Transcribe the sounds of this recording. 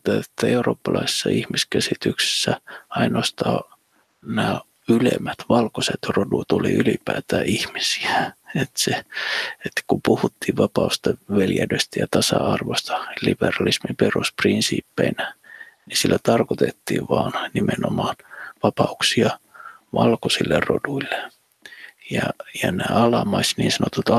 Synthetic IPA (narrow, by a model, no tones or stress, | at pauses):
t̪æet̪ːæeuro̰ːpːɑlɑise̥sːɑihmiskæsit̪ykse̥sːæɑinoɑst̪ɑː | næː | ylḛmːæt̪ʋɑlkoset̪rodut̪ulḭʔylipæːt̪æːihmisi̥æet̪seet̪ːkumpuhut̪ːiːʋʋɑpɑust̪eʋeljædøst̪æjɑt̪ɑsɑɑrʋost̪ɑ̥lib̥erɑlismimperusprinsḭːpːeinænisilːæt̪ɑrkot̪et̪ːḭːʋʋɑːnnimenomɑːnʋɑpɑuksiɑ | ʋɑlkosilːeroduilːe | jɑjɑnæːɑlɑmɑisniːnsɑnot̪ut̪ɑ